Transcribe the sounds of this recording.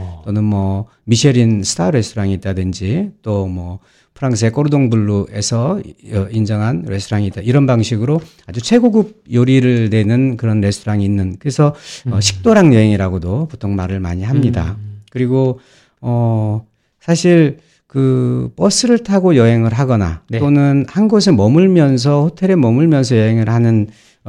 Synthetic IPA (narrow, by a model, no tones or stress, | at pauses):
t͈onɯnmwʌ | miɕʰeɾinsʰɯ̥tʰaɾe̞stʰoɾaŋiit̚t͈adɯnd͡ʑit͈omʌ | pʰɯɾaŋs̬ʰe̞k͈oɾudoŋbuɭːuʔe̞sʰʌʌind͡ʑʌŋɦanɾe̞stʰoɾaŋiːt͈aiɾʌnbaŋɕʰiɡɯɾo | ad͡ʑut͡ɕʰwe̞ɡoɡub̚joɾiɾɯɭne̞nɯnkɯɾʌnɾe̞stʰoɾaŋiːnːɯnkɯɾesʰʌʌɕʰi̥k̚t͈oɾaŋjʌɦeŋiɾaɡodoputʰoŋmaɾɯɭma̰ɲiɦamɲida̰kɯɾiɡo | ʌ | sʰaɕʰiɭ | kɯp͈ʌs͈ʰɯɾɯɭtʰaɡojʌɦe̞ŋɯɭɦaɡʌna̰onɯnhanɡos̬ʰemʌmuɭmjʌns̬ʰʌhotʰe̞ɾemʌmuɭmjʌnsʰʌjʌɦe̞ŋɯɭhanɯn